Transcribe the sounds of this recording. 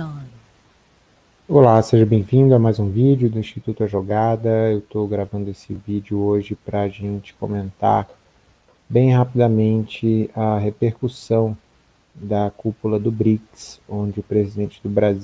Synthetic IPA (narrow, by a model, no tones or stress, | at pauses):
olaseʒɐbẽj̃vĩnd̪ʊɛmajzũvid͡ʒjʊd̪ʊĩsʃt͡ʃit̪ut̪ʊɐʒoɡad̪ɐewt̪oɡɾavɐ̃nd̪ʊesɪvid͡ʒʊoʒɪpɾɐːʒẽnt͡ʃɪ̥ko̰mẽnt̪a̰ɾ | bẽj̃ɦapid̪ɐmẽnt͡ʃɪɐɦepeɾkusɐ̃w̃ | d̪ɐkupulɐd̪ʊbɾiksõd͡ʒɪʊpɾezid̪ẽnt͡ʃɪd̪ʊbɾazi